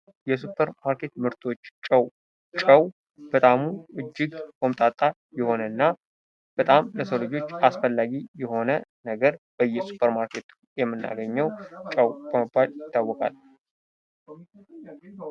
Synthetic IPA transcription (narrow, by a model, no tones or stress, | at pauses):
jɛsupʰːəɾmaɾkʰe̞t̪mɨɾt̪ʰʼo̞t͡ʃːt͡ʃʼəw | t͡ʃʼəw | b̥ət̪ʼamuɨd͡ʒːɪɡkomt̪ʼat̪ʼa | jɛho̞nənːa | b̥ət̪ʼamləsolɨd͡ʒo̞t͡ʃːasfəlːaɡijɛho̞nənəɡəɾb̥əjːɛsu̥pʰːəɾmaɾkʰe̞t̪ʰujɛmːɨnːa̰ɡəɲːɛwt͡ʃʼəwb̥əməbːaljɪt̪ːawːɔkʼa̰l